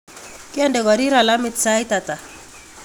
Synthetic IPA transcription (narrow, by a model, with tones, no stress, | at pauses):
kɪ˦ɛ˦ndɛ˨ɡɔ˨ɾi˦ɾa˨la˦mɪtsa˦i˦ta˨ta˨